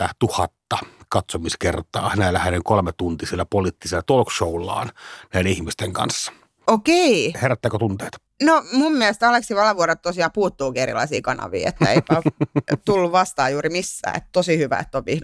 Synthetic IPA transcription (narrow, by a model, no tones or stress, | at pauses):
æt̪uhɑt̪ːɑkɑt̪somiskert̪ɑ̰ːhænæˑlːæhæneŋkolmet̪unt̪isielːæpoliːt̪ːiselːɑt̪olkʃoulːˑɑ̰ːnnæˑideihmist̪eŋkɑ̰nsːɑ̥ | okeiheræt̪ːæːkøt̪unt̪eːt̪ | nomumːiɛlest̪æɑleksiʋɑlɑʋuɑɾet̪t̪osiɑːpuːt̪ːuːkieɾḭlɑisḭːkɑnɑ̰ʋḭːḛt̪ːæḛikæt̪ulːuʋʋɑst̪ɑːjuːrimisːæ̰ːḛt̪ːt̪osihyʋæ̰ḛt̪ːoʋʋihn